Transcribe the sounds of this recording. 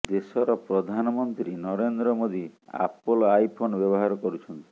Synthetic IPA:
d̪esɔɾɔpɾɔd̪ʱanɔmɔnt̪ɾinɔɾend̪ɾɔmod̪ia̰polajpʰonbjɔβɔɦaɾɔkɔɾut͡ʃʰɔnt̪i̥

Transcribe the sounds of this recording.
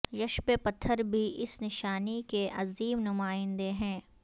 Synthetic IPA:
jɐʃpepɐt̪ʰːəɾbʱiɪsnɪʃaːnikeʔɐziːmnʊmaːɪ̃nd̪eɦɛ̃ː

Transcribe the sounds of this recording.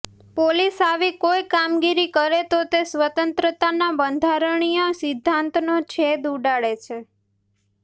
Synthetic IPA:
polisaʋikojkamɡiɾikəɾet̪ot̪esʋət̪ənt̪ɾət̪anabənd̪ʱaɾəɳ̃ijosɪd̪ʱːãnt̪not͡ʃʰed̪uɖaɭet͡ʃʰe

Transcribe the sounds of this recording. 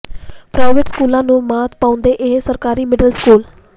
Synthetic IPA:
pɾaːɪʋeʈskuːlãːnũːmaːt̪̚pãːʊ̃nd̪eːʔɪɦsəɾkaːɾiːmɪɖəlskuːl

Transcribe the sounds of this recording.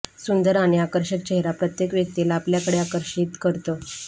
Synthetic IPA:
sund̪əɾaɽ̃iakəɾɕək̚t͡ɕeɦeɾapɾət̪jekʋjək̚t̪ilaːpljakəɽeakəɾɕiːt̪kəɾt̪o

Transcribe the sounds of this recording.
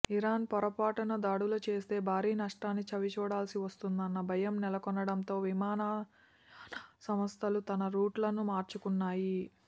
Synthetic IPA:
iɾaːnpɔɾɐpaːʈɐnɐd̪aːɽulɐt͡ʃe̞ːst̪e̞ːbʱaːɾiːnɐʂʈaːnːit͡ʃɐʋit͡ʃuːɽaːlsiʋɐst̪und̪ɐnːɐbʱɐjɐmnɛlɐkɔnːɐɽɐnt̪o̞ːʋimaːna | sɐmɐst̪ʰɐlut̪ɐnɐɾuːʈlɐnumaːɾt͡ʃukunːaːji

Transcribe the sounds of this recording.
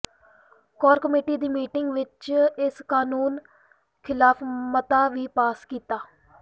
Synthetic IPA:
kɔːɾkəmeːʈiːd̪iːmiːʈɪŋɡʋɪt͡ʃɪskaːnuːn | kʰɪlaːpʰmət̪aːʋiːpaːskiːt̪aː

